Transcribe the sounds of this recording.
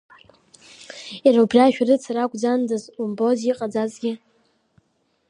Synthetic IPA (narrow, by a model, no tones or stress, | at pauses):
iɾaubraʃᶣarɨt͡sʰaɾakʷʼd͡zandɨzumbo̞ziqʼad͡zazɡʲɪ